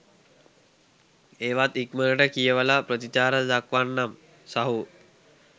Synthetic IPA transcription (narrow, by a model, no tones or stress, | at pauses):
eːʋat̪ikməɾəʈəkijəʋəlapɾət̪it͡ʃaːɾəd̪akʋanːam | saɦu